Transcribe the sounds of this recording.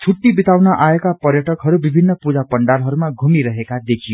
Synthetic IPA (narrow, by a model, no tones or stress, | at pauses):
t͡sʰuʈːibit̪awnʌʔaekapʌrjʌʈʌkɦʌɾubibʱinːʌpud͡zapʌɳɖalɦʌɾumaɡʱumiɾʌɦekad̪ekʰijo